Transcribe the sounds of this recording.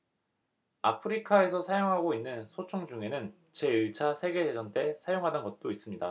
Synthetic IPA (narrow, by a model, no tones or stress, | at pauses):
a̰pʰɯɾikʰae̞sʰʌsʰajoŋɦaɡoinːɯnsʰot͡ɕʰoŋd͡ʑuŋe̞nɯn | t͡ɕe̞ɯɭt͡ɕʰasʰe̞ɡe̞ded͡ʑʌnt͈e̞sʰajoŋɦadʌnɡʌt̚t͈ois͈ɯmɲida